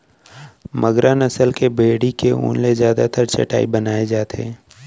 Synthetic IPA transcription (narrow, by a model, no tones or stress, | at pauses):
məɡɾaːnɐsəlkebʱeːɽikeṵːnlezjaːd̪at̪əɾt͡ʃɐ̰ʈa̰ːibɐnaːed͡ʒaːt̪ḛː